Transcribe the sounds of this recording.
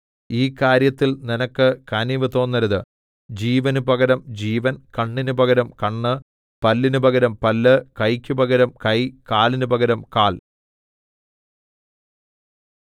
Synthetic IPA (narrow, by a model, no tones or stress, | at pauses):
iːkaːɾjɐt̪ːilninɐkːɨkɐniʋɨt̪o̞ːnːɐɾɐðɨ | d͡ʑiːʋɐnubɐɣɐɾɐmd͡ʑiːʋɐnkɐɳːinubɐɣɐɾɐmkɐɳːɨ | pɐlːinubɐɣɐɾɐmpɐlːɨkɐjkʲːubɐɣɐɾɐmkɐjkaːlinubɐɣɐɾɐmkaːl